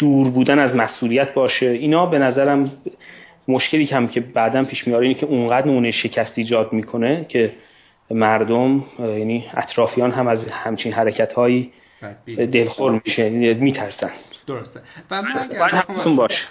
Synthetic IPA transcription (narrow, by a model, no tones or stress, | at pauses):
d̪̥uːɾbuːd̪ænæzmæsʔuːlijæt̪̚ʰbɒːʃeiːnɒːbe̞næzæɾæm | moʃke̞liːæmcʰe̞bæːd̪ænpʰiːʃmiːjɒːɾeiːnecʰe̞uɴɢæːd̪ɾnemuːnejʃe̞cʰæst̪iːd͡ʒɒːd̪miːkʰo̞ne̞cʰe̞ | mæɾd̪omjæniæ̰t̪ʰɾɒːfijɒːnɦæmæzhæmt͡ʃʰinɦæɾecʰæt̪hɒːjiː | d̪e̞lxoɾmiʃemiːt̪ʰæɾsænd̪̥ | jæd̪hæmesunbɒːʃe̥